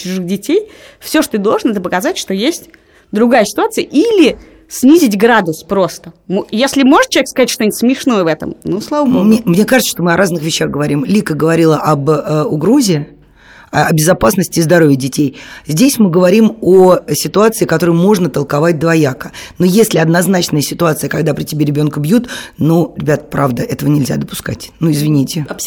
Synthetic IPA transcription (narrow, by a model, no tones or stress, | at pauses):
t͡ɕʊʐɨxdʲɪtʲejfsʲo̞ʂt̪ot̪ɨd̪o̞lˠʐənɛt̪əpəkɐzatʲʂt̪o̞jesʲtʲ | d̪ɾʊɡajəsʲɪ̥t̪ʊat̪sɨjəʔilʲɪ | sʲnʲizʲɪtʲɡɾad̪ʊspɾo̞st̪əmjesʲlʲɪmo̞ʐɨt̪̚t͡ɕʲekskɐzatʲʂt̪onʲt̪ʲsmʲɪʂno̞jəvɛt̪ə̰mnuslˠavəbomʲemnʲekaʐɨt̪səʂt̪o̞mɨɐɾʔaznɨxvʲɪɕːaɣɡəvɐɾʲimlʲikəɡəvɐɾʲilˠəʔɐbʊɡɾo̞zʲɪ | ɐɐbʲɪzɐpasnəsʲtʲɪzd̪ɐɾo̞vʲjɪdʲɪtʲejzʲdʲesʲmɨɡəvɐɾʲimosʲɪt̪ʊat̪sɨɪkɐt̪o̞ɾɨjmo̞ʐnət̪əlˠkavat̚ʲd̪vɐjakənojesʲlʲɪɐd̪nɐznat͡ɕnəjəsʲɪt̪ʊat̪sɨjəkɐɡd̪apɾʲɪtʲɪbʲeɾʲɪbʲo̞nkəbjut̪nuɾʲɪbʲat̪pɾavd̪əʔɛt̪əvənʲɪlʲzʲa̰d̪əpʊ̥ska̰tʲnuɪzvʲɪnʲitʲɪ